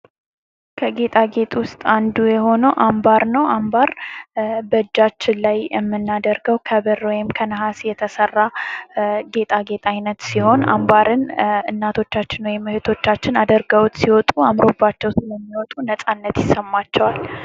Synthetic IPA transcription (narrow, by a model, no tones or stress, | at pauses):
kʰəɡe̞t̪ʼaɡe̞t̪ʼwʊst̪ʼand̪ujɛɦo̞nəwʔambaɾnəwʔambaɾ | bəɨd͡ʒːat͡ʃːɪnlajjɛmːɨnːad̪əɾɡəwkʰəβɨrwɔjɪmkʰənəɦasjɛt̪ʰəsərːa | ɡe̞t̪ʼaɡe̞t̪ʼajnət̪siho̞na̰mbaɾɨnɨnːat̪ʰo̞t͡ʃːat͡ʃːɪnwɔjɪmːɨhɨt̪ʰo̞t͡ʃːat͡ʃːɪnad̪əɾɡəwt̪ʼsiwɔt̪ʼuamɾo̞bːat͡ʃːɛwsɨləmːiwɔt̪ʼunəsʼanːət̪jɪsəmːat͡ʃːɛwal